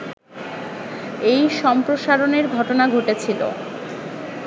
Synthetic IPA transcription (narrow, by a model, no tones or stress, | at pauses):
ejʃɔmpɾoʃaɾoneɾɡʱɔʈonaɡʱoʈet͡ɕʰilo̰